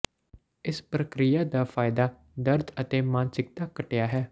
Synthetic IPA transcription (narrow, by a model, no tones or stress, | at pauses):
ɪspɾəkɾɪjaːd̪aːfʰaːɪd̪aː | d̪əɾd̪ət̪eːmaːnsɪk̚t̪aːkəʈejaːɦɛː